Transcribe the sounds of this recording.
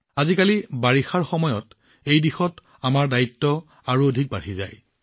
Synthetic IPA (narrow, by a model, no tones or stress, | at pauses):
azikalibaɹixaɹxɔmɔjɔt | ejdixɔt | amaɹdaitːɔ | aɹuodʱik̚baɹiza̰j